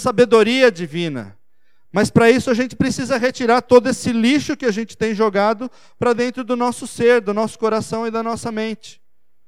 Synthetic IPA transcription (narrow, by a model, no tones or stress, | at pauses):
sabed̪oɾiɐd͡ʒivĩnɐ̰ | mɐspɾɐisʊaʒẽnt͡ʃɪ̥pɾesizɐɦet͡ʃiɾaɾt̪od̪ʊesɪliʃʊkɪaʒẽnt͡ʃɪ̥t̪ẽj̃ʒoɡad̪ʊ | pɾɐd̪ẽnt̪ɾʊd̪ʊnɔsʊseɾd̪ʊnɔsʊ̥koɾasɐ̃w̃ɪd̪ɐnɔsɐmẽnt͡ʃɪ̥